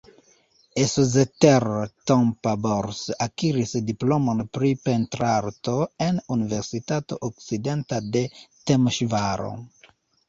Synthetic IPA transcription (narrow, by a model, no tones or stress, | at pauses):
esozeteɾtompaboɾsakiɾisdiplomonpɾipent̪ɾaɾtoenuniveɾsitato̰ʔok̚sidentadetemoʃvaɾo̰